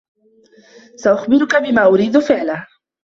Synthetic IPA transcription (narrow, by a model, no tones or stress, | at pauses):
saʔʊxbɪɾʊkabɪmaːʔʊɾiːd̪ʊfɪʕla